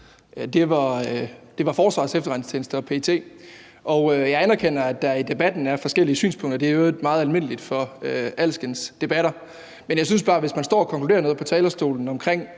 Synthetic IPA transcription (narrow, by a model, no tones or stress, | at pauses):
d̥e̝ʋɑ̈ød̥e̝ʋɑ̈fɒːsʋɑ̈sefd̥ɐʁɑnst͡sʰe̝ːnəsd̥əɒ̽pʰe̝t͡sʰe̝̰ː | ʔɒ̽ʊøjɑ̈ɪænɐkʰen̰ɐæd̥ːɑ̈id̥e̝b̥æd̥n̩æɐfɒ̽sɡ̥el̰iəsy̰ːnspʰɔ̽ŋ̰d̥ɐd̥eæɐo̥mɑ̈ːð̞̩ˠælme̝n̰əlid̥fɒ̽øælsɡ̥ənsd̥e̝b̥æɾ̥ɐ | menjɑ̈ɪs̬ynsb̥ɑ̈ːʋe̝smænsd̥ɒ̰ːɒkʰɒ̽klude̝ːɐno̽ːð̞̩ˠpʰɒ̽t͡sʰɛːlɐsd̥o̝̰ːln̩ɒ̽mkʰʁeŋ̰